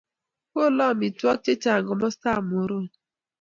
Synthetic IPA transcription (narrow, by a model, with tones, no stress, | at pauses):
ko˦lɔ˦˨mi˨twɔ˦k̚t͡ʃe˦t͡ʃa˨ŋ˨ɡɔ˨mɔ˦sa˦˨m˨o˨ɾo˦˨